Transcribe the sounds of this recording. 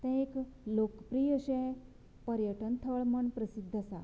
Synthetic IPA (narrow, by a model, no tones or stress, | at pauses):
t̪ɛ̃eklokpɾiːəɕɛ̃ | pəɾjəʈənt̪ʰəɭməɳpɾəsid̪ʱːəsa̰